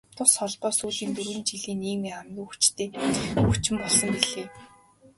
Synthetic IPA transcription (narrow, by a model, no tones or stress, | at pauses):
t̪ʰʊsχɔɮpɔːsuːɮiːnt̪uɾwɘ̆nt͡ɕiɮiːniːmeːamɡʲiːŋxut͡ɕt̪eːxut͡ɕɪ̆mpɔɮsɞ̆ŋɡiɮeː